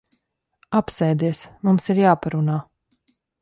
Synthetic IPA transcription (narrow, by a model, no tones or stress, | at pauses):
apsɛjd̪iɛsmumsiɾjaːpaɾunaː